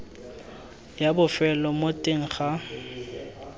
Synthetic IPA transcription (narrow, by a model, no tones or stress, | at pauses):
jabʊfɛlɔmotʼeŋ̩χa